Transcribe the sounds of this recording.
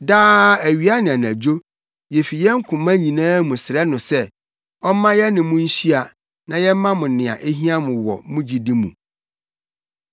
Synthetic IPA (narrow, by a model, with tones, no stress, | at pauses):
daː˦æ˨ɥi˨˦a˦nɪ̃˨a˨n˨æ˨d͡ʑo˦ | jɛ˨fi˨jɛ˦ŋ̩˦kʰʊ̃˨mã˦ɲĩ˨nãː˦mũ˨sɪ˨ɾɛ˦nʊ̃˨sɛ˦ | ɔ˦mã˦jɛ˦nɪ̃˨mʊ̃˦n̩˦ɕi˦a˨ | nã˨jɛ˦m˦mã˦mʊ̃˨nɪ̃˨ã̰˨ʔe˦ɦĩ˦ã˦mʊ̃˨wɔ̰˨mʊ̃˦d͡ʑi˨dĩ˦mṵ̃˨